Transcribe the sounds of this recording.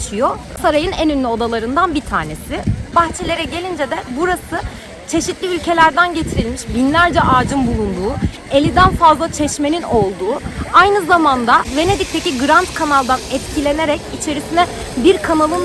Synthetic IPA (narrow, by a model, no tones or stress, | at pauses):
t͡ʃijo | saɾajɯnenynlʲyo̞d̪alˠaɾɯnd̪anbit̪ʰa̰ːne̞sɪbaxt͡ʃʰe̞lʲe̞ɾɛɟelʲind͡ʒed̪ɛbuɾasɯ | t͡ʃʰe̞ʃit̪lʲiylʲcʰe̞lʲæɾd̪ænɟe̞t̪ʰiɾilʲmiʃbinlʲæɾd͡ʒɛʔaːd͡ʒɯmbulˠund̪uː | e̞lʲid̪ænfazlˠat͡ʃʰɛʃmenino̞lˠd̪uːajnɯzamand̪ave̞ned̪ic̚t̪ʰe̞ciɡɯɾant̪kʰanalˠd̪anɛt̪cilʲe̞ne̞ɾɛcit͡ʃʰe̞ɾisinɛ | biɾkʰanalˠɯn